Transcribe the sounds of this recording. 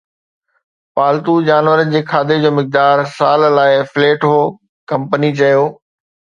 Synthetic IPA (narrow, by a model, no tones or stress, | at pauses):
paːlt̪ud͡ʑaːnʋəɾənd͡ʑeːkʰaːd̪ed͡ʑoːmɪk̚d̪aːɾsaːllaːɪfleːʈɦoː | kɐ̃mpənit͡ɕɐjoː